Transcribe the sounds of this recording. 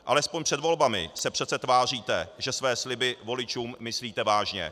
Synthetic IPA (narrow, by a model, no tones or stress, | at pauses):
ʔalɛspo̞ɲpr̥ɛd̪vo̞lbamɪ̰sɛpr̝̥ɛt̪t͡sɛt̪vaːr̝iːt̪ɛʒɛsvɛːslɪbɪvo̞lɪt͡ʃuːmːɪsliːt̪ɛvaːʒɲɛ̰